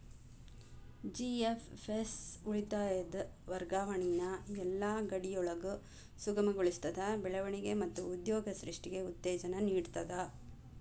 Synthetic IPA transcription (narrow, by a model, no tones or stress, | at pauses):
d͡ʒiefesuɭit̪aːjɐd̪ɐʋɐɾɡaːʋɐɳinɐɛlːaːɡɐɽijɔɭɐɡu | suɡɐmɐɡoɭist̪ɐd̪ɐbɛɭɐʋɐɳiɡe̞mɐt̪ːuːd̪jɔːɡɐsɾiʂʈiɡe̞ut̪ːɛːd͡ʒɐnɐniːɽt̪ɐd̪ɐ